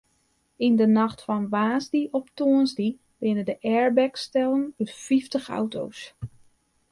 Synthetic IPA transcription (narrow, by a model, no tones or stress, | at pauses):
indənɑxtfɔnʋaːzdiʔɔptoənzdi | bɪnədəʔɛɹbɛkstɛlˠənytfiftəxa̰wtʰo̰ws